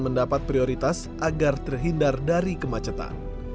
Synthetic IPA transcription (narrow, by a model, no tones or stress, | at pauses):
məndapat̪̚pɾioɾit̪as | ʔaɡart̪ərɦindardaɾikəmat͡ʃət̪a̰n